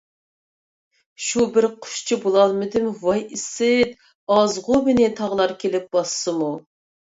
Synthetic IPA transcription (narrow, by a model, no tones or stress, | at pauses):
ʃubɪɾqʰʊ̥ʃt͡ʃʰibolˠɑlˠmɪd̪ɪmvɑjisɪt̪ | ɑzʁʊmɪnɪt̪ʰɑʁlˠɑɾkʲʰelɪp̚b̥ɑsːɨmu